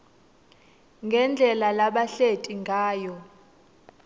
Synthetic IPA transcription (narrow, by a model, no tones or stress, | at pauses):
ŋɡʱɛnd͡ɮʱɛlalaɓaɬetʼiŋɡʱaːjɔ